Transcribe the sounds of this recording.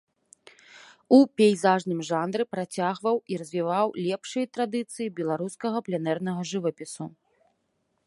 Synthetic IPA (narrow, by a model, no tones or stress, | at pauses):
upʲejzaʐnɨmʐand̪ɾɨpɾat͡sʲaɣvɐwiɾɐzʲvʲivawlʲɛpʂɨjɐt̪ɾad̪ɨt̪sɨjibʲɛlˠaɾuskɐɣɐplʲɛnɛrn̪ɐɣɐʐɨvɐpʲisu